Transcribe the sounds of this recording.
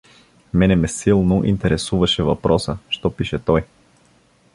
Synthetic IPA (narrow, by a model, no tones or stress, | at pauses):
mɛnɛmɛsilˠnoʔḭnt̪ɛɾɛsuvɐʃɛvɐpɾʔɔsəʃt̪ɔpiʃɛt̪ɔj